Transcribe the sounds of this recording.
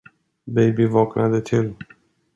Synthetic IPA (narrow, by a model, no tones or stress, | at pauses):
bejbivɒːknad̪et̪ʰɪl